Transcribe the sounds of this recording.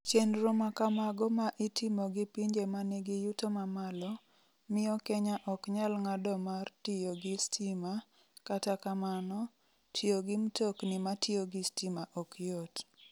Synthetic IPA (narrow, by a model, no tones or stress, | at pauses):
t͡ʃenɾomakamaɡɔmaʔɪtʰimoɡɪpiɲd͡ʒemanɪɡɪjutomamalɔ | mɪɔkɛɲaʔɔkɲalŋadɔmartɪjoɡɪstima | katakamanɔ | tʰɪoɡɪmtoknɪmatʰɪoɡɪstimaʔɔkjot